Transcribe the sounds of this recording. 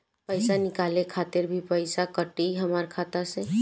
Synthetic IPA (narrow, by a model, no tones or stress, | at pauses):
pəɪsanɪkaːlekʰaːt̪ɪɾbʱipəɪsakəʈiɦəmaɾkʰaːt̪ase